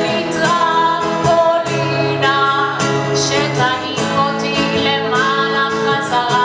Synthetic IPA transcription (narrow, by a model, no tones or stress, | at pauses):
ita | kɔlina | ʃɛtaɦikɔtilɛmanakaza